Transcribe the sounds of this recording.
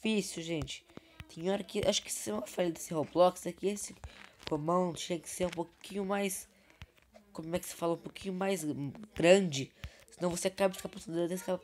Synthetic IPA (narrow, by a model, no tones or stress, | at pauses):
d͡ʒifisuwʒẽnt͡ʃɪ̥ | t̪ẽj̃ɔɾɐkɪʔaʃʊ̥kɪsẽɐfajlɐd̪esɪhoblɔksɛkɪesɪkomɐ̃nd̪ʊt̪ẽj̃kɪ̥seɾũpokĩɲʊmajs | kõmʊɛkɪ̥se̥faloũpokĩɲʊmajzɡɾɐ̃d͡ʒɪsɪnɐ̃w̃voseakabɐɪfikapost̪ɐ̃d̪ɾad̪eskabɐ